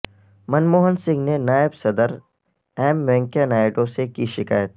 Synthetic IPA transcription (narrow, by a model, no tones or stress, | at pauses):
mɐnmoːɦənsɪ̃ŋɡnenaːjəbsɐd̪əɾ | ɛːmːɛ̃ŋkjanaːɪɖõsekiʃɪka̰ːjət̪